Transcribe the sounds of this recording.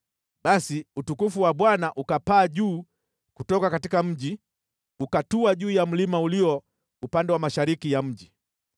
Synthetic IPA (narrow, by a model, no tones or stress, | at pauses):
ɓasiutukufuwaɓwanaʔukapaːʄuː | kutɔkakatikam̩ʄi | ukatuaʄuːjam̩limauliɔ | upandɛwamaʃaɾikijam̩ʄi